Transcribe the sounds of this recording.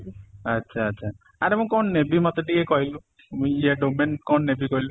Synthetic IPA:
ətːʃʰaːtːsʰa | aɾemũkɔnnebimɔt̪ɔʈikekɔɦilu | mũjiaɖomenkɔnnebikɔɦilu

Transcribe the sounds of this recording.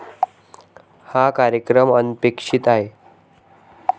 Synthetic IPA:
hakaɾjəkɾəmənpekʂit̪aɦe

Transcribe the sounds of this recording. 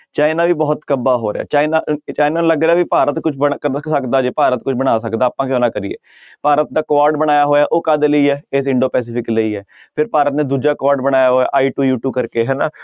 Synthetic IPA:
t͡ʃaːɪnaːʋiːbɔːt̪kəbaːɦoːɾḛa̰ːt͡ʃaːinaːt͡ʃaːɪnaːñːləɡɾeaːʋiːpaːɾət̪kʊt͡ʃʰbəksəkd̪aːd͡ʒeːpaːɾət̪kʊt͡ʃʰbəɽ̃aːsəkd̪aːpãːkjõːnãːkəɾiːḛː | paːɾət̪̚d̪aːkʋaːɾɖbəɽ̃aːjaːɦoːjaːʔoːkaːd̪eləiːɦɛːeːsɪɳɖoːpɛːs̬ɪːpʰɪkləiːɦɛː | pʰɪɾpaːɾət̪neːd̪uːd͡ʒaːkaːɾɖbəɽ̃aːjaːɦoːa̰ːʔaːiːʈuːjuːʈuːkəɾkeːɦɛːnaː

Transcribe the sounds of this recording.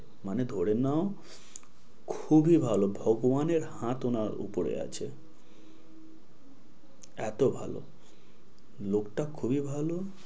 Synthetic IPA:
maned̪ʱoɽenao | kʰubibʱalobʱɔɡobaneɾhãt̪onaṵpoɾḛa̰t͡ɕʰe | ɛ̰t̪obʱa̰lo̰ | lokʈakʰubibʱalo

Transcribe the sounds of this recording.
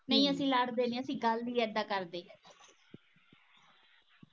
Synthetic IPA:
mə̃ĩːəsĩːləɽd̪eːneːəsĩːɡəlːiːɛːd̪aːkəɾd̪eː

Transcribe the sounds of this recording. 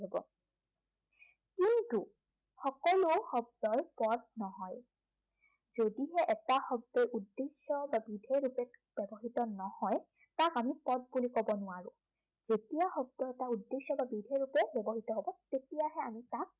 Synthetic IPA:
ebɔ̰ | kintu | xɔkɔlʊxɔb̚dɔjpɔd̚nɔɦɔj | zodiɦɛʔɛtaxɔb̚dɔjʔudːesjɔbabidʱejɹupɛkb̥ɛbɔɦitɔnɔhɔj | takamipɔd̚bulikɔbɔnʊwaɹʊ̃ | zetijaxɔb̚dɔɛtaudːesɔbabidʱeɹupɛbɛbɔɦitɔɦɔbɔtetijaɦɛamitak̚

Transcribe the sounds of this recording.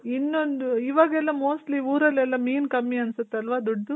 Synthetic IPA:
inːond̪uiːʋaːɡɐɛlːɐmoːsʈliuːɾɐlːɛlːɐmiːnkɐmːiɐnsut̪ːeɐlʋad̪ɔɖːu

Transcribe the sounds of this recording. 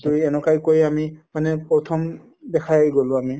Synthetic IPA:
zoɹiɛnɔkajkojamimanɛpɹɔt̪ʰɔm | dɛkʰajɡolʊ̃ami

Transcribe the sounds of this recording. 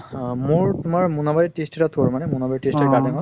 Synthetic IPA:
mʊɹtʊmaɹmunabaɹitestɛtat̪ʰuaɹmanɛmunabaɹitestɛɹɡadama

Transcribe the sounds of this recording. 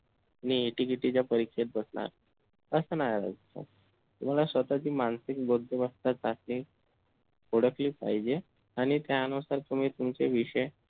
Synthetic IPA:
niːʈikiʈit͡ɕjapəɾikʂet̪̚bəsna̰ɾ | əsənajaɾa̰d͡zt̪o̰ | t̪um̤alasʋət̪at͡ɕiːmansik̚bod̪ʱːebəst̪at͡sasliː | oɽəkliːpa̰ɦid͡ʑe | aɽ̃it̪janusaɾt̪um̤iːt̪umt͡ɕeʋiɕəj

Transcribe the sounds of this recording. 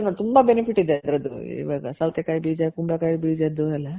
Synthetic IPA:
ɐŋɡɐɭt̪umbɐbenipʰiʈːid̪eɐd̪ɐɾɐd̪uḭʋaːɡɐsɐlt̪ekaːjbiːd͡ʒakumbɭɐkaːjibiːd͡ʒad̪uɛlːɐ

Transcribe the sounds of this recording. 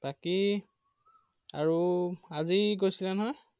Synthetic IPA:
baki | a̰ɹuaziɡojsilɛnɔɦɔj

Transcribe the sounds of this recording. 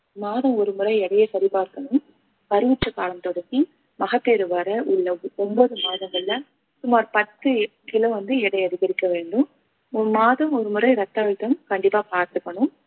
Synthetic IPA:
maːðɐ̃mɔɾɯmɯɾɐɪɛɽɐjɐsɐɾɪpaːɾkːɐɳɯm | pɐɾɯʋɪʈːɐkːaːlɐmt̪ɔɽɐkːi | mɐɣɐpːeːɾɯʋɐɾɐʔʊɭːɐɔmbɔðɯmaːðɐmɛɭːɐ | sʊmaːɾpɐt̪ːɯ | kɪlɐʋɐnd̪ɯɛɽɐɪɐðɯɣɐɾɪkːɐʋeːɳɖɯm | maːðɐmɔɾɯmɯɾɐɪɾɐt̪ːaːʋɪt̪ːɐmkɐɳɖɪpːaːpaːɾt̪ɯpːɐɳɯm

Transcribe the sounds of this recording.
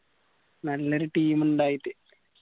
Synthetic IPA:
nɐlːoɾuʈiːmuɳɖaːjiʈːɨ

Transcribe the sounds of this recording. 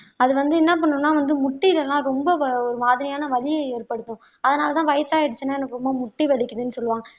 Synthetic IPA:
ɐðɯʋɐnd̪ɯɪnːɐp̬ɐɳːʊmnːaːʋɐnd̪ɯmʊʈːɪlɛlãːɾɔmbɐɔɾɯmaːðɐɾɪjaːnɐʋɐlɪjɐeːɾpɐɽɯt̪ːʊ̃ | ɐðɐnaːlɐt̪ãːʋɐjɐsaːjɛɽɯt͡ʃːɯnːaɛnɐkːɯɾɔmbɐmʊʈːiʋɛɭɪkʲːɯðɯnːɯsɔlːɯʋaːŋɡɐ

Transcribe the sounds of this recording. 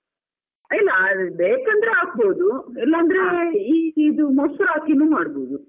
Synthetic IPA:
ɐjlːɐbeːkɐnd̪ɐɾeaːk̚bo̞ːd̪uɛlːɐːnd̪ɐɾeiid̪umɔsɐɾaːkinuːmaːɽbo̞ːd̪u

